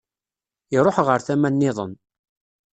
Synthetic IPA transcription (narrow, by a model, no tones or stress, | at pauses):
ɪɾˤoħʁəɾθæmænːɪðˤən